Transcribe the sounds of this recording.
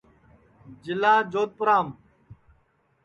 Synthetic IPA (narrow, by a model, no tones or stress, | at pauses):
d͡ʑilaːd͡ʑoːt̪̚pʊɾaːm